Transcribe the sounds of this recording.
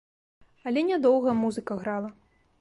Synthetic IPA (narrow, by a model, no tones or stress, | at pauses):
ɐlʲɛnʲad̪ɔwɣɐmuzɨkɐɣɾalˠɐ